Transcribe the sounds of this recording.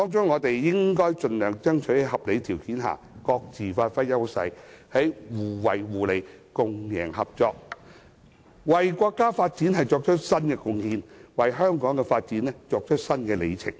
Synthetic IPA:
t̪ɔː˥ŋt͡ʃʊ˥ŋːɔː˨˧t̪e˨jːɪ˥ŋkɔː˥jt͡ʃɵ˨nlœː˨˩ŋt͡sɐ˥ŋt͡ʃʰɵ˨˥jɦɐ˨p̚le˨˧t̪ʰiː˨˩wkiː˨˥nɦa̰ː˨ | kɔː˧k̚t͡siː˨faː˧t̚fɐ˥jjɐ˥wsɐ̰˧˥jhɐ˨˥jwuː˨˩wɐ˨jwuː˨˩le˨˧jkʊ˧ŋjɛ̰ː˨˩ŋhɐ˨p̚t͡ʃɔː˧k̚ | wɐ˨jkʷɔː˧kːaː˥faː˧t̚t͡si˨˥nɦɐ˨jt͡sɔː˧k̚t͡ʃʰɵ˥t̚sɐ˥nkɛː˧kʊ˧ŋhiː˧nwɐ˨jɦœː˥ŋkɔː˨˥ŋkɛ˧faː˧t̚t͡siː˨˥nɛ˥t͡ʃɔː˧k̚t͡ʃʰɵ˥t̚sɐ˥nkɛː˧le˨˧jt͡sʰɪ̰˨˩ŋ̚

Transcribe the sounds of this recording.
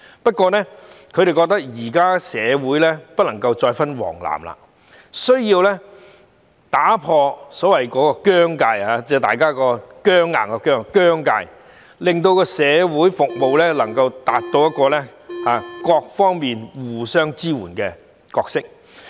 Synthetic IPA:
pɐ˥t̚kʷɔː˧nɛ˥kʰɵ˨˧ɾe˨jkɔ˧k̚t̪ɐ˥k̚jiː˨˩kaː˥sɛː˨˧wuː˨˥jlɛ˥pɐ˥t̚lɐ˨˩ŋkɐ˧wt͡ʃɔː˧jfɐ˥nwɔ̰ː˨˩ŋla̰ː˨˩mla̰ː˧ | sɵ˥ɥjiː˧wlɛ˥ | t̪aː˨˥pʰɔː˧sɔː˨˥wɐ˨˩jkɔː˨˥kɔː˧kœː˥ŋkaː˧ja˨˧t͡sɛː˨˧t̪aː˨jkaː˥kɔː˧kœː˥ŋːa̰ː˨˩ŋkɔ˧kœː˥ŋkœː˥ŋka̰ː˧j | lɪ˨ŋt̪̬o˧wkɔː˧sɛː˨˧wuː˨˥jfʊ˨k̚mo˨˧wlɛː˥lɐ˨˩ŋkɐ˧wt̪a̰ː˨˧t̚t̪o˧wjɐ˥t̚kɔː˧lɛ˥aː˨˧kɔː˧k̚fɔː˥ŋmiː˨nwuː˨˩sœː˥ŋt͡siː˥wuː˨˩nkɛː˧ | kɔː˧k̚sɪ˥k̚

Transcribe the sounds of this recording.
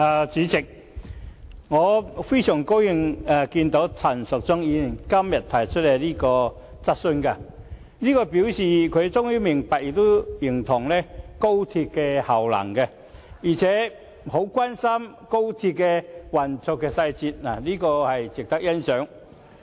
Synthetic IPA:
aː˨˩t͡siː˨˥t͡sɪ˨k̚ | ŋɔː˨˧fe˥jsœː˨˩ŋko˥wjɪ˧ŋa˨kiː˧nt̪o˨˧˥wt͡sʰɐ˨˩nsʊ˨k̚t͡sʊ˥ŋjiː˨˧ni˨˩nkɐ˥mjɐ˨˩t̚t̪ʰːɐ˨˩jt͡ʃʰɵ˥le˨˧jliː˥kɔː˧ | t͡sɐ˥t̚sɵ˥nka˧ | liː˥kɔː˧piː˨˥wsiː˨˩kʰɵ˨˧ɥt͡sʊ˥ŋjiː˥mɪ˨˩ŋpɐ˨k̚jɪ˨˧t̪ːo˥ji˨˩ŋt̪ʰʊ˨˩ŋlɛ˥ko˥wt̪ʰi˧p̚kɛ˧hɐ˨˩wlɐ̰˨˩ŋkɛ˧ | jiː˨˩t͡sʰɛː˨˥ | ho˨˥wkwaː˥nsɐ˥m | ko˥wt̪ʰi˧p̚kɛ˧wɐ˨˩nt͡sʊ˨˧kːɛː˧sɐ˧jt͡siː˧t̚naː˨˩liː˥kɔː˧hɐ˨jt͡sɪ˨k̚t̪ɐ˥k̚jɐ˥nsœː˨˥ŋ

